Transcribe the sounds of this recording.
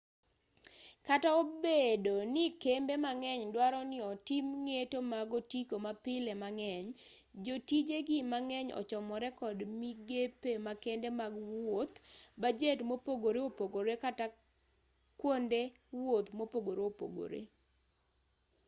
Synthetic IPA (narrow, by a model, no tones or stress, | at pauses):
kataobedonɪkembemaŋɛɲdwaɾɔnɪɔtimŋetomaɡɔtikomapɪlɛmaŋɛɲ | d͡ʒotid͡ʒeɡɪmaŋɛɲɔ̰t͡ʃɔmɔɾɛkɔdmiɡepemakendemaɡwwot̪bad͡ʒetmopoɡoɾeopoɡoɾekata | kwonde | wwot̪mopoɡoɾeopo̰ɡo̰ɾḛ